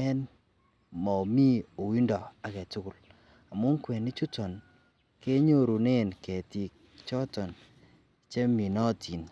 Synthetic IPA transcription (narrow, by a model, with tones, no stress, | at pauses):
ɛ˦n | mɔ˨mi˦o˨wi˦ndɔ˨a˨kɛ˨tu˦kʊ˨l | a˨mʊ˦ŋkwɛ˨ni˦t͡ʃu˦tɔ˨n | ke˦ɲo˦ɾu˨ne˦˨nkɛ˨ti˨k̚ | t͡ʃɔ˦tɔ˨n | t͡ʃe˦mi˨nɔ˦˨ti˨n